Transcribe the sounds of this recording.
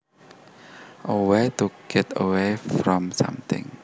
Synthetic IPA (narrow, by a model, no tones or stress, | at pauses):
ʔowet̪uɡ̥ɛt̪əwefɾɔmsa̰mt̪ɪ̰̃ŋ